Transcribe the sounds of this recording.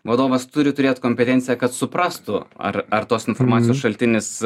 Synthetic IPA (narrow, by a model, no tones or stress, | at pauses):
ʋɐd̪oːʋɐst̪ʊɾʲɪt̪ʊɾʲeːt̪koːmʲpʲɛt̪ʲɛnʲsʲɪjɛkɐt̪sʊpɾɑːst̪ʊɐ̰rɐrt̪oːsɪnfoːɾmɑːjoːsʃɐlʲt̪ʲɪnʲɪs